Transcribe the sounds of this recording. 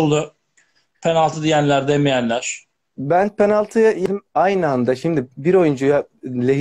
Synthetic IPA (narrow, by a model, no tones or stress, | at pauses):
lˠd̪ʊ | pʰenalˠt̪ʰɯd̪ijænlʲæɾd̪emijænlʲæɾ̥ | bænpʰenalˠt̪ʰɯjajeimajnɯand̪aʃimd̪ibiɾo̞jund͡ʒujalʲeɦ